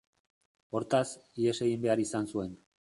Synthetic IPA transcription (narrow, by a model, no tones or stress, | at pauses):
o̞ɾt̪asiese̞ɣimbe̞aɾisansue̞n